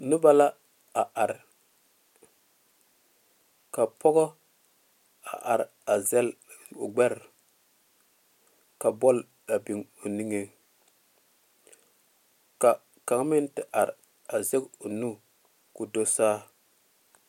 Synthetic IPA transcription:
nʊ˦ba˦la˦ | a˨ʔa˨ɾ | ka˨pɔ˦ɡɔ˦ | a̰˨ʔa˨ɾa˨zɛ˦lɡ͡bɛ˦ɾ | ka˨bɔ˦l | a˨bi˨ŋo˨ni˦ŋe˨ | ka˨ | ka˨ŋ˦mɪ˦n˦tɪ˨ʔa˨ɾ | a˨ze˦ɡo˨nu˦ | ku˨do˦saː˦

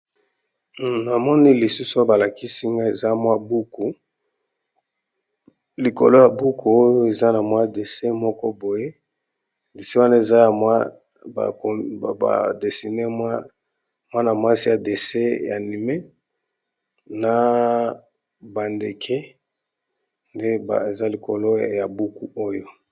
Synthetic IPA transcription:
na˨mɔ˦ni˦li˨su˦sba˨la˨ki˦si˦ŋɡa˦e˨za˦mwa˦bu˦ku˨ | li˨ko̰˨lo˦ja˨bu˦ku˨o˦jo˦e˨za˦na˨mwa˦de˨se˦mɔ˦kɔ˦bo˨je˦ | li˨si˦wa˦na˦e˨za˦ja˨mwa˦ | a̰˨ko˨a̰˨de˨si˨ne˦mwa˦ | mwa˦na˨ma˦si˦ja˨de˨se˦ja˨ni˨me˦ | na˨ | ba˨nde˨kʰe˦ | nde˦ba˨e˨za˦li˨ko˨lo˦ja˨bu˦ku˦o˦jo˦

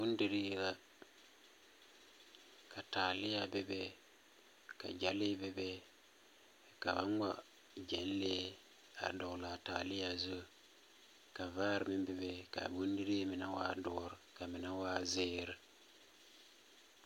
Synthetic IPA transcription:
bu˦ndi˨ɾi˦ɡa˦ | ka˨ta˨li˦ja˨be˦be˦ | ka̰˨d͡ʒa˨˦li˦be˦be˦ | ka̰˨ba˦ŋ˦wa̰˨ | d͡ʒe˨˦n˦le˦ | a̰˨do˨kla˨ta̰˨li˦ja˨zu˦ | ka˨va˦ɾmi˦be˨be˦ka̰˨bu˦n˦di˦ɾi˦mi˨na˦wa̰˦dɔ˨˦ɾka˨mi˨na˦waː˦zeː˦ɾ

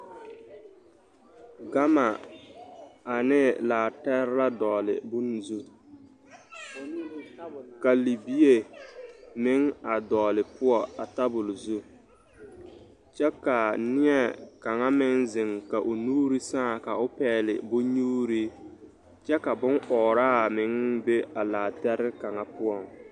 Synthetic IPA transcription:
ɡa˦ma˨ | a˨nɪ˦laː˨tɛ˦ɾla˦dɔː˨lɪ̰˨bʊ˦n˨zu˦ | ka˨li˨bi˦e˨ | mɪ˦ŋa˨dɔː˨lɪ˨pʊ˦ɔ˨a˨ta˦bʊ˨lzu˦ | t͡ʃɛ˦ka˨nɪ˦ɛ˨ka˨ŋa˦mɪ˦ŋzɪ˨ŋka˨ʔʊ˨nuː˦ɾi˦sãː˦˨ka˨ʊ˦pɛː˦lɪ̰˨bʊ˦ɲuː˦ɾi˦ | t͡ʃɛ˦ka˨bʊ˦ŋʔɔː˨ɾaː˦˨mɪ˨˦ŋbe˦a˨laː˨tɛ˦ɾɪ˦ka˨ŋa˦pʊ˦ɔ˦˨ŋ

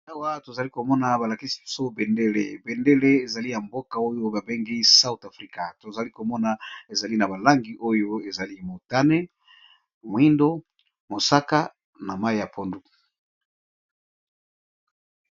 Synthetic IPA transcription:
a˦wa˦to˨za˨li˦ko˨mɔ˦na˨ba˨la˨ki˦si̥˨bi˨so˦be˨nde˦lḛ˨be˨nde˦le˦e˨za˨li˦ja˨mbo˦ka˨o˦jo˦ba˨be˦ŋɡi˦sa˦u˦ta˨fʁi˦ka˨to˨za˨li˦ko˨mɔ˦na˨e˨za˨li˦na˨ba˨la˦ŋɡi˨ʔo˦jo˦e˨za˨li˦mo˨ta˦ne˦ | mwi˦ndo˦ | mo˨sa˦ka˦ | na˨ma˦i˨ja˨pʰo˦ndu˨

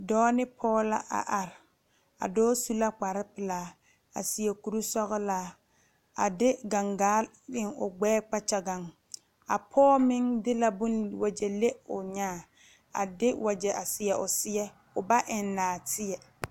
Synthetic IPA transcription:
dɔː˦nɪ˦pʰɔː˦la̰˦ʔa̰˨ʔa˨ɾɪ˨ | a̰˨dɔː˦su˦la˦k͡pa˨ɾɪ˦pɪ˨laː˨˦ | a̰˨sɪ˨ɛ˨ku˨ɾu˦sɔ˦ɣɔ˦laː˦ | a̰˨dɪ˦ɡa˨ŋɡaː˦ | ɪ˦ŋʊ̰˨ɡ͡bɛː˦k͡pa˦t͡ʃa˨ɡa˨ŋ | a̰˨pʰɔː˦mɪ˦ŋdɪ˦la˦bʊ˦nwa˨d͡ʒɛ˨le˦ʊ˨ɲaː˦˨ | a̰˨dɪ˦wʔa˨d͡ʒɛ˨ʔa˨sɪ˨ɛ˨ʔʊ˨sɪ˦ɛ˦ | ʊ˨ba˦ʔɪ˨nːaː˨tʰɪ˦ɛ˨

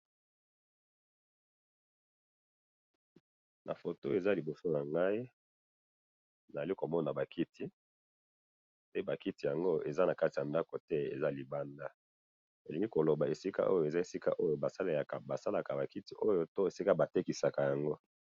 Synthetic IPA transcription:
nʔa̰˨fo˨to˦e˨za˦li˨bo˨so˦na˨ŋɡa˦i˦ | na˨a˨li˦ko˨mɔ˦na˨ba˨ki˦tʰi˦ | pe˦ba˨ki˦ti˨ja˨ŋɡo˦e˨za˦na˨ka˦ti˨ja˨nda˦ko˨tɛ˦ḛ˨za˦li˨ba˦nda˦ | e˨li˨ŋɡi˦ko˨lo˨ba˨e˨si˦ka̰˦ʔo˦jo˨e˨za˦e˨si˦ka̰˦ʔo˦jo˨ba˨sa˦le˨ja˨ka̰˨ba˨sa˦la˨ka˨ba˨ki˦ti˦ʔo˦jo˦to˦e˨si˦ka˦ba˨te˦ki˨sa˨ka˨ja˨ŋɡo˦

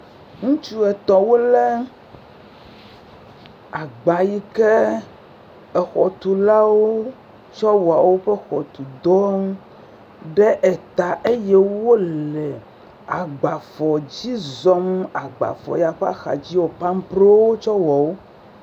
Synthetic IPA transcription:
ŋũ˦t͡ʃu˦ɛ˨t̪ɔ˨wo˦le˦ | a˨ɡ͡ba˨ji˦ke˦ | ɛ˨xɔ˨t̪u˨la˦wo˦ | t͡ʃɔ˦wɔ˨a˨wo˦ɸɛ˦xɔ˨t̪u˨d̪ɔ˦m˦ | ɖe˦ʔe˨t̪a˨ʔe˦jɛ˦wo˦lɛ˨ | a˨ɡ͡ba˨fɔ˨d͡ʑi˦zɔ˦m˦a˨ɡ͡ba̰˨fɔ̰˨ja˨ɸa̰˦xa̰˨d͡ʑi˦wo˨pa˦m˦pɾe˦wo˦t͡ʃɔ˦wɔ˨wo˦

